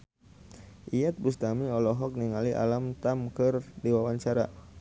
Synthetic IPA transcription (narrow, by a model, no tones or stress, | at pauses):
ʔiat̪̚bust̪amiɔlɔɦɔk̚niŋaliʔa̰lamt̪amkɨrdiwawaɲt͡ʃaɾa